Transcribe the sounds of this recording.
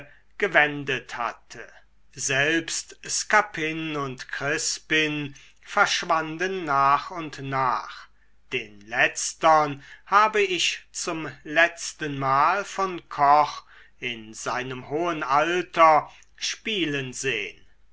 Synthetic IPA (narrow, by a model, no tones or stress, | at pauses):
ɡ̥əvɛndətha̰tʰə̰ | zɛlpstskapʰɪnʊntkʁ̥ɪspɪn | fɛɐʃv̥andənːaːχʊntnaːχ | d̥eːnlɛt͡stɐnhaːbəɪʃt͡sʊmlɛt͡stənmaːlfɔnkʰɔχ | ɪnzaɪnəmhoːənaltɐ | ʃpiːlənzḛːən